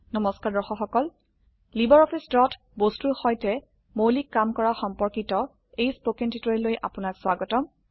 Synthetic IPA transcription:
nɔmɔskaɹdɔxɔxɔkɔl | libɔɹɔpʰisdɹɔtʰ | bostuɹxɔjtɛ | mowlikːamkɔɹaxɔmpɔɹkitɔ | ejspokentitɔɹilojʔa̰pʊnakswaɡɔtɔm

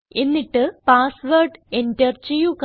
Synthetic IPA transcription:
e̞nːiʈːɨpaːsʋɐrɖendɐrt͡ɕijuk

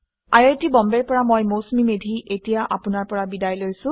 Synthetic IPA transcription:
ajetibɔmbɛɹpɔɹamojmowsmimedʱiʔetijaʔapʊnaɹpɔɹabidajlojsʊ̃

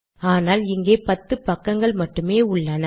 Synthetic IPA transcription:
aːnaːlɪŋɡeːpɐt̪ːɯpːɐkːɐŋɡɐɭmɐʈːɯmeːʊɭːɐnɐ

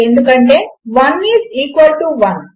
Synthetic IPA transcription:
end̪ukɐɳʈeːʋɐniːziːkʋɐlʈuʋɐn

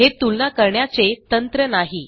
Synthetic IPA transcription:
ɦet̪ulnakəɾɳjat͡set̪ənt̪ɾənaɦi

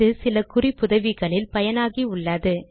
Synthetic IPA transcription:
ɯsɪlɐkʊrɪpːʊðɐʋɪɣɐɭɪlpɐjɐnaːɣiʊɭːaːðɯ

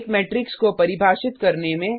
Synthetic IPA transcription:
kmɛːʈɾɪkskopɐɾɪbʱaːʃɪt̪kɐɾnemẽ

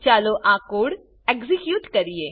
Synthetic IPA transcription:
t͡ʃaːloʔãːkoːɽ | ekzikjuːʈkɐɾieː

